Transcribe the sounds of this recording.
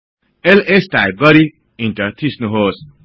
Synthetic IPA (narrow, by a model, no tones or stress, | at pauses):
elesʈajp̚ɡʌɾi | inʈʌt̪ʰisnuɦos